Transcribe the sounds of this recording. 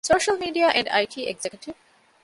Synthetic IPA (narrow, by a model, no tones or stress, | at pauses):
soːʃəlˠmiːɖiaʔɛ̃ɳɖa̰ɪʈʰiːʔɛɡzɛkjʊʈɪv